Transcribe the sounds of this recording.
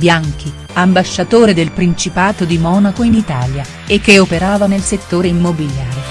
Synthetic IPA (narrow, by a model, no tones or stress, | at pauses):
bjaŋk̟ʰi | ambaʃːat̪oːɾed̪elpɾint͡ʃipaːt̪od̪imɔːnakoinit̪aːlja | ekːeopeɾaːvanelset̪ːoːɾeimːobiljaːɾe